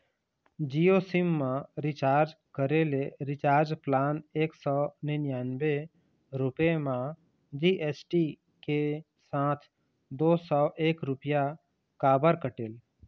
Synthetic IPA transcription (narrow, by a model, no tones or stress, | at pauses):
d͡ʒiosimːãɾɪt͡ʃaːɾd͡ʒ | kəɾeleɾɪt͡ʃaːɾd͡ʒplaːneːksɔnenjaːnbe | ɾʊpemã | d͡ʒiʔeːsʈi | ke | sãːt̪ʰ | d̪oːsɔːʔeːkɾʊpja | kaːbəɾkəʈeːl